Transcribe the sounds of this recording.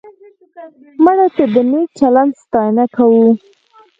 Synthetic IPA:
maɽat̪əd̪ənet͡ʃaland̪st̪ɑjnakawu

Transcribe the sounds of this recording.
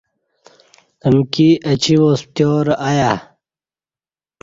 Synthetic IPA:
əmkiət͡ɕiwoːst̪joːɾaja

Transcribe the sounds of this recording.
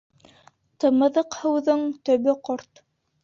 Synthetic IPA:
t̪ɤ̆mɤ̆ðɤqhɤ̆wðɤɴt̪ɵ̆βɘqɔɾt̪

